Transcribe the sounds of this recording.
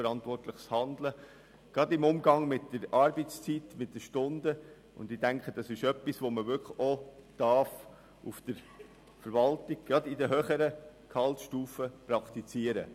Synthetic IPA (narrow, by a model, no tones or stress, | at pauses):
əɾɑntʋɔrtləχshɑnd̪lə | ɡ̥ɑdɪmʊmɡɑŋmɪtdəɾɑɾbit͡st͡sitmɪt̚d̥əʃtʊndə | ʊ̰nd̪ɪdæŋkχəd̥ɑsɪʃœpːisʋoməvʏkod̥ɑɾf | ufd̥əɾ | fəɾvɑltɪɡ̥̚ɡ̥ɾɑdɪdəɦøːχəɾəkʰɑltʃtuːfəpɾɑkt̪it͡siəɾə̰